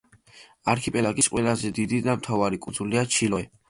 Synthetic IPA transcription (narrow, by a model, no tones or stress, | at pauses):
aɾkʰipʼɛlaɡisqʼwɛlazɛd̪id̪id̪amt̪ʰavaɾikʼunzuliat͡ʃʰilɔɛ